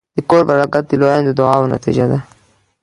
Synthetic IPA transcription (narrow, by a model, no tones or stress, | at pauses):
d̪̥əkoɾbaɾɑɡat̪̚d̪əlojand̪əd̪ʊɑwna̰t̪ḭd͡ʒad̪a